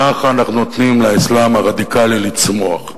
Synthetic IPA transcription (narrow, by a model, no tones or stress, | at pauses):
aχaaːnaχnunot̪nimlaislamhaʁad̪ikalilit͡smoa̰χ